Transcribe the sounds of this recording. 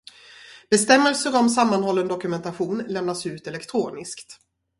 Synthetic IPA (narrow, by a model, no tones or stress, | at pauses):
b̥ɛst̪ɛmːəlsəɾɔmsamːanɦɔlːənd̪ɔkɵmɛnt̪aɧuːnlɛmnasʉ̟ːt̪ɛlɛkt̪ʰɾuːnɪskt̪